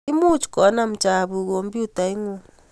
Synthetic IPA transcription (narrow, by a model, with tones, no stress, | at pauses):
i˦mu˦t͡ʃkɔ˨˦na˦m̩˨t͡ʃa˨βu˨ɣo˨mbu˦ta˨i˦ŋu˦